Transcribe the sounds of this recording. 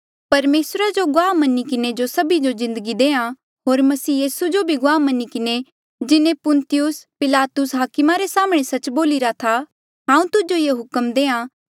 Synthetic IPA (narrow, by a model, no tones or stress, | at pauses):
pɐɾmeːsɾad͡ʒoɡʊaːmɐnikɪned͡ʒosɐbid͡ʒozɪ̃nd̪əɡid̪eːã | ɦoːɾmɐsiːjiːsud͡ʒobʱiɡʊaːmɐnikɪne | d͡ʒɪnẽpʊnt̪ɪjʊspɪlaːt̪ʊsɦaːkɪmaɾesaːməɽ̃esɐt͡ʃboːliɾat̪ʰa | ɦãːũt̪ʊd͡ʒojeɦʊkəmd̪eːã